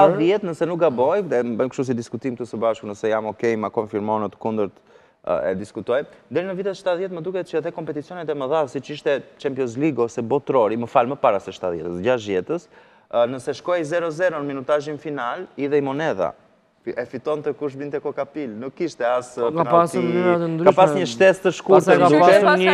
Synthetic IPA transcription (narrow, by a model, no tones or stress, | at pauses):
t̪aðjɛt̪nəsɛnuk̚ɡabɔjɛbəjmkʃt̪us̬id̪iskut̪imk̚t̪əsəbaʃkunəsɛjamɔkɛjmakɔnfiɾmɔnət̪kund̪əɾt̪ | ɛ̰d̪iskut̪ɔjnd̪ɛɾinəvit̪ɛsʃt̪aðjɛt̪məd̪ukɛt͡ʃɛðɛkɔmpɛt̪it͡siɔnɛt̪ɛməðaðsit͡ʃiʃt̪ɛt͡ʃɛmpjɔs̬liɡɔsɛbɔt̪ɾɔɾiməfalməpaɾasɛʃt̪aðjɛ̰t̪əsɟaʃ̬jɛt̪əs | nəsɛʃkɔjzɛɾɔzɛɾɔnəminut̪aʒinfinaliðɛimɔnɛða̰ | ɛfit̪ɔnt̪ɛkuʃ̬bint̪ɛkɔkapilnukːiʃt̪ɛaskanpasinat̪ənd̪ɾkaʃpasɲəʃt̪ɛst̪əʃkuɾt̪ɛəd̪ukɛ